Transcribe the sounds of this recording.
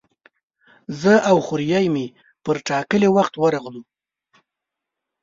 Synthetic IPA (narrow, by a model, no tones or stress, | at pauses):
zəawxʊɾjajme | pəɾʈɑkəlewaxt̪wəɾaɣlu